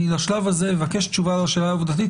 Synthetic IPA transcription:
laʃlavaze̞mevake̞ʃtt͡ʃuvalaʃelaːuvd̪at̪i

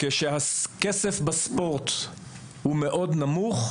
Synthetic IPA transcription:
keʃehakesefbaspo̞ʁt | humeʔo̞dnamuχ

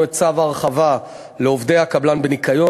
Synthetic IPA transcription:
et͡savaʁχava | leovd̪e̞jhakablanbenikajo̞

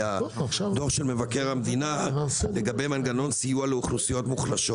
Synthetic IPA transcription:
ad̪o̞ʁʃelme̞vake̞ʁhamd̪inale̞ɡabe̞jmanɡano̞nsijualeuχnusijo̞tmuχlaʃo

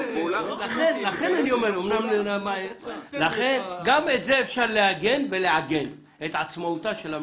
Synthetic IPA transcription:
laχenlaχe̞nanio̞meɾomnamlenamajelaχe̞nɡamet̪zeːfʃaʁlehaɡe̞nveleʕaɡen | et̪ʕat͡smautaʃela

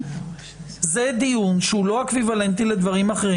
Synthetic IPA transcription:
ze̞d̪ijunʃeulo̞akvivale̞nt̪ile̞d̪vaʁimaχeʁi

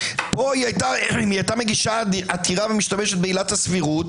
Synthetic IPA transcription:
po̞iajtaiajtame̞ɡiʃaatʰiʁavemiʃtameʃet̚beilathasfiʁut

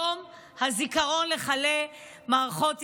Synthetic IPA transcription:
om | hazikaʁo̞nle̞χale | maːʁaχo̞t

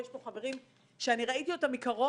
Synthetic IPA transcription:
jeʃpoχave̞ʁim | ʃeaniʁaitio̞tamikaʁo

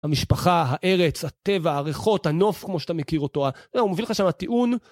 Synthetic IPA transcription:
hamiʃpaχaɦaʔe̞ʁe̞t͡shat̪e̞vaaʁeχo̞thano̞fkmo̞ʃat̪amekiʁotoaaumovilχaʃamat̪iʔun

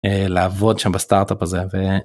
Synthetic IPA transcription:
elaːvo̞d̪ʃambast̪aʁt̪apazeve

